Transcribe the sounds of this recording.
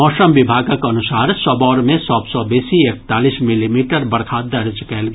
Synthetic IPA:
ɔːʃəmʋɪbʱaːɡakɐnʊsaːɾsəbɔːɾmẽsɔːbsɔbeːsiek̚t̪aːlismilimiːʈəɾbəɾkʰaːd̪ːəɾɪd͡ʒkɛːlɡ

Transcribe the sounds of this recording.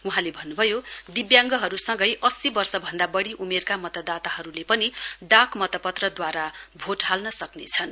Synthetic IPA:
uɦãlebʱʌnːubʱʌjod̪ibjaŋɡʌɦʌɾusʌŋɡʌjʔʌsibʌrsʌbʱʌnd̪abʌɽiʔumerkamʌt̪ʌd̪at̪aɦʌɾulepʌniɖakmʌt̪ʌpʌt̪rʌd̪waɾabʱoʈɦalnʌsʌknet͡sʰʌn

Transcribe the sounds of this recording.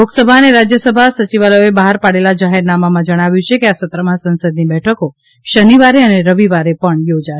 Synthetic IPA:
loksəbʱaəneɾad͡ʒjəsəbʱasət͡ʃiʋaləjoebaɦaɾpaɽelad͡ʒaɦɛɾnamamãd͡ʒəɽ̃aʋjũt͡ʃʰekeasət̪ɾəmãsənsəd̪nibɛʈʰəko | ʃəniʋaɾeəneɾəʋiʋaɾepəɳjod͡ʒa

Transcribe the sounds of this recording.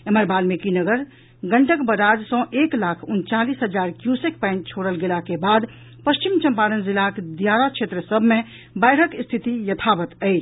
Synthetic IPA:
eməɾbalmekinəɡəɾ | ɡəɳʈəkbəɾad͡ʒsɔ̃ʔeklakʰunt͡ʃalisɦəd͡ʒaɾkjusek̚pãɪ̃ɳʈ̚t͡ʃʰoɽəlɡelakebad̪ | pəst͡ʃimt͡ʃə̃mpaɾənzilakd̪jaɾakt͡ʃʰet̪ɾəsəbʱmẽ | bajɾəkst̪ʰit̪ijət̪ʰabət̪əɪt͡ʃ

